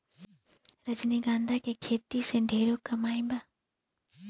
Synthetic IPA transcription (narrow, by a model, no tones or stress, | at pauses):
ɾɐd͡ʒniɡãːnd̪ʱakekʰeːt̪iseɖʱeːɾokɐmaːĩbaː